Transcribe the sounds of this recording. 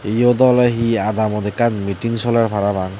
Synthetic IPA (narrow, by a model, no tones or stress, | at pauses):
ijɔd̪ɔlaɦiad̪amɔd̪ɛkanmitiŋsɔlaɹbʱaɾabaŋ